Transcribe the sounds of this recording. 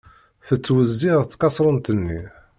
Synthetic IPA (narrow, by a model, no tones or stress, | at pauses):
θət͡sːwəzːiʁt̪kɑsˤɾˤənt̪ənːi